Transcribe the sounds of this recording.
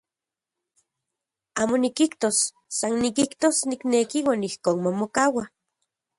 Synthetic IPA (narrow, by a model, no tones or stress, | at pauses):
aːmonikikt̪osː | annikiht̪osniknekiwaːnihkoːnmomokawa